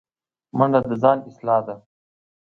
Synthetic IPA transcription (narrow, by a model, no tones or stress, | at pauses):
məɳɖad̪əzɑːnɪslɑːd̪a